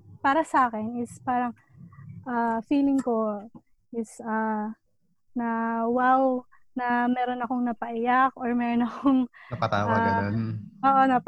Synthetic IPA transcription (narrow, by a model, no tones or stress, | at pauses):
paːɾɐsɐaːkɛnɪspaːɾɐŋ | ʔafiːlɪŋko̞ | ʔɪsɐ | nɐwaw | nɐmɛːɾo̞nɐko̞ŋnɐpɐʔɪjakoɹmɛːɾonɐkoŋɐt̪aːwa | ʔoːʔonɐp